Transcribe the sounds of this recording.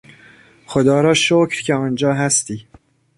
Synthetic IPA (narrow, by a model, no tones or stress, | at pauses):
xod̪ɒːɾɒːʃocʰɾcʰeɒːnd͡ʒɒːɦæst̪iː